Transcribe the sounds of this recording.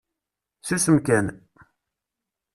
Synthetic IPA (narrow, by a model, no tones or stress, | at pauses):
sisəmkæn